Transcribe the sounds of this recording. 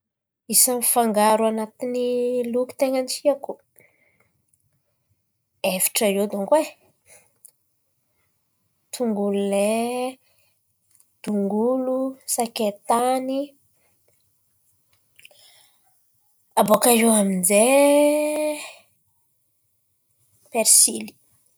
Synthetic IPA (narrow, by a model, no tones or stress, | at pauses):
isanifaŋɡaɾuanat̪iniluki̥t̪eŋant͡ʃiaku̥ | efi̥ʈ͡ʂəewd̪oŋɡwe | t̪ʰuŋɡulule | d̪̥uŋɡulusaket̪ani | abokaɾiwaminze | peɾsili̥